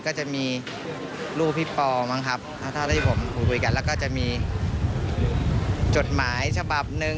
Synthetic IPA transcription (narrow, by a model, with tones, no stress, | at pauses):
kɔː˥˩t͡ɕa˨˩ʔmiː˧ | luː˥˩pʰi˦˥pɔː˧ma˦˥˩ŋkʰa˦˥p̚t̪ʰaː˦˥˩t̪ʰaː˥˩t̪ʰaː˥˩pʰo˩˦mpʰuː˧˩kʰu˧jka˧nlɛː˦˥wkɔː˥˩t͡ɕa˨˩ʔmiː˧ | t͡ɕo˨˩t̪̚maː˩˦jt͡ɕʰa˧ba˨˩p̚nɯ˧